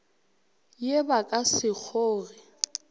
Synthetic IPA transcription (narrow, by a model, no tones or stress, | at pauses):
jebakʼasɪk͡xʰoːrɪ